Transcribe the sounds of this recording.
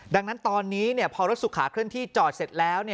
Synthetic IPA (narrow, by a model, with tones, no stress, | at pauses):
da˧ŋna˦˥nt̪ɔː˧nːiː˦˥ni˥˩ɐpʰɔː˧ɾo˦˥t̪̚su˨˩kʰːaː˩˦kʰɾɯ˥˩ənt̪ʰiː˥˩t͡ɕɔː˨˩t̪̚se˨˩t̪̚lɛː˦˥wni˥˩ə